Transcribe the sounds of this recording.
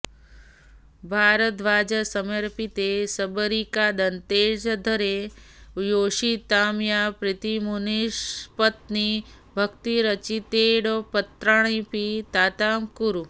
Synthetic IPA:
bʱaːɾət̪ʋaːd͡ʒəsəməɾpit̪esəbəɾikad̪ɐnt̪eːd͡ʒd̪ʱəɾe | joːʃit̪aːmjapɾɪt̪imuniʃpət̪ni | bʱəkt̪iɾət͡ʃit̪eɽopət̪ɾaɳ̃ipit̪aːt̪aːmkuɾu

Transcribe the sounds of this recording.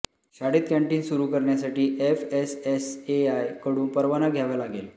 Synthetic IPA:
ɕaɽiːt̪̚kɛ̃ɳʈiːnsuɾuːkəɾɳjas̬aʈiːʔefeseseajkəɽuːnpəɾʋanaɡʱjaʋalaɡel

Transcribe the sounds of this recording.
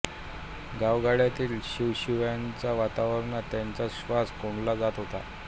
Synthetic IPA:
ɡaʋɡaɽjat̪iːlɕiʋɕiʋjant͡saʋat̪aʋəɾɳat̪jant͡saɕʋaskoɳlad͡zat̪ɦot̪a̰

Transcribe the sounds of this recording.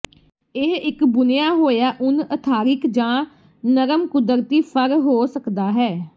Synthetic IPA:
ɪɦɪkbʊnɪjaːɦoːjaːʔʊnət̪ʰaːɾɪkd͡ʒãː | nəɾəmkʊd̪əɾt̪iːpʰəɾɦoːsəkd̪aːɦɛː

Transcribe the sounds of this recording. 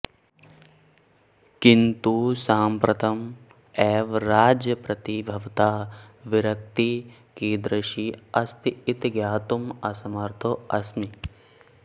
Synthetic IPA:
kint̪usaːmpɾɐt̪ɐm | eːʋɾaːd͡ʒjɐpɾɐt̪ibʱɐʋt̪aːʋiɾɐk̚t̪i | kiːd̪ɾɐʃiɐst̪iit̪ɡjaːt̪umɐsɐmɐɾt̪ʰoɐsmi

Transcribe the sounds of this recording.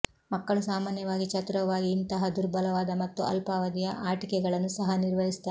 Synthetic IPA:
mɐkːɐɭusaːmaːnjɐʋaːɡit͡ʃɐt̪ɾɐʋaːɡiːnt̪ɐɦɐd̪uɾbɐlɐʋaːd̪ɐmɐt̪ːuʔɐ̰lpaːʋɐd̪ijɐʔaːʈikɛɡɐɭɐnːusɐɦɐniɾʋɐɦist̪ːaɾ

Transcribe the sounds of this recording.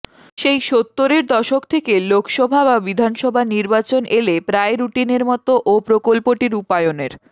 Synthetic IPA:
ʃejʃot̪ːoɾeɾd̪ɔʃok̚t̪ʰekelokʰʃɔbʱababid̪ʱanʃɔbʱaniɾbat͡ɕonʔelepɾaeɾuʈineɾmɔt̪oʔopɾokolpoʈiɾupaeoneɾ

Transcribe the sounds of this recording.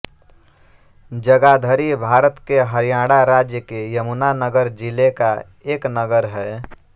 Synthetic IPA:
d͡ʒəɡad̪ʱəɾibʱaɾət̪keɦəɾijãɽaɾad͡ʒjəkejəmunanəɡəɾd͡ʒileka | eknəɡəɾɦɛ

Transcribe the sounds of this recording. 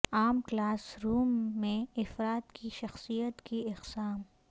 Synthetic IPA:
aːmklaːsɾuːmːẽɪfɾaːt̪kiʃɐxsijət̪kiɪqsaːm

